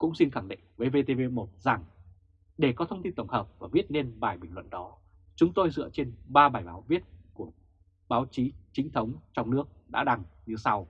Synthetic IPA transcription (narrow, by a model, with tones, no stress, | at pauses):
kʊ̰˧˥ŋ͡msi˧nxaː˧˩ŋɗḭ˧˨ŋ̟vəː˨˦jve˧t̪e˧ve˧mo˨˩t̚za˨˩ŋ | ɗe˧˩kɔ˨˦t̪ʰə˧wŋ͡mt̪i˧nt̪ə˧˩wŋ͡mhəː˨˩p̚vaː˨˩vi˦˥ət̚ne˧nɓaː˨˩jɓï˨˩ŋ̟lwə̰˧˨nɗɔ˨˦ | t͡ɕʊ˨˦ŋ͡mt̪o˧jzɨ̰˧˨ət͡ɕe˧nɓaː˧ɓaː˨˩jɓaː˨˦wvi˦˥ət̚ku˧˩ə | ɓaː˨˦wt͡ɕi˨˦t͡ɕï˨˦ŋ̟t̪ʰə˨˦wŋ͡mt͡ɕɔ˧wŋ͡mnɨ˦˥ək̚ɗa̰ː˧˥ɗa˨˧ŋɲɨ˧sa˧w